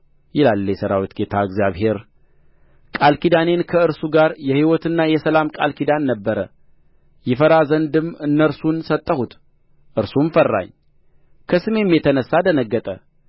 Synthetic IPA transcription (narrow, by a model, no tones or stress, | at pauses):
jɪlalːjɛsəɾawit̪ɡe̞t̪ʰaɨɡzjaβɦe̞ɾ | kʼalkid̪ane̞nkʰəɨɾsuɡaɾjɛhiwɔt̪ɨnːajɛsəlamkʼalkʰid̪anːəbːəɾə | jɪfəɾazənd̪ɨmɨnːəɾsunsət̪ʼːəhut̪ | ʔɨɾsumfərːa̰ɲː | kʰəsɨme̞mːjet̪ʰənəsːad̪ənəɡːət̪ʼə